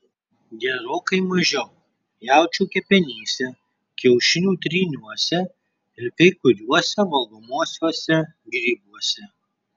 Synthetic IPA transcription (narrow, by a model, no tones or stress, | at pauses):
ɡʲɛɾoːkɐɪmɐʒʲɛʊ | jæˑʊt͡ʃʲuːkʲɛpʲɛnʲiːsʲɛ | kʲɛʊʃʲɪnʲuːt̪ʲɾʲiːnʲuɔsʲɛ | ɪɾkɐɪkʊɾʲuɔsʲɛʋɐlˠɡɔmuɔsʲuɔsʲɛɡɾʲiːbuɔsʲɛ